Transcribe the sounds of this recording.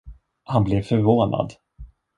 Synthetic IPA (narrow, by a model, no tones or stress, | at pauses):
hanblɛvfœɾvoːnʔa̰d̪